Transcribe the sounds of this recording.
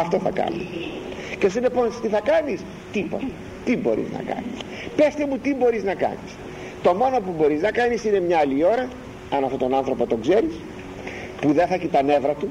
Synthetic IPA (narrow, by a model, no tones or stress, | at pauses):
ɐft̪o̞θɐ̰kɐ̰ni | ce̞sinepo̞nst̪iθɐkɐnis | t̪ipo̰t̪ɐ̥ | t̪ibo̞̰ɾḭznɐ̰kɐ̰nis | pest̪emut̪ibo̞ɾiznɐkɐ̰nis | t̪o̞mo̞no̞pubo̞ɾiznɐkɐnisine̞mɲɐɐlio̞ɾɐ | ɐnɐft̪o̞t̪o̞nɐnθɾo̞po̞t̪o̞ɡze̞ɾis | puðenθɐeçit̪ɐne̞vɾɐt̪u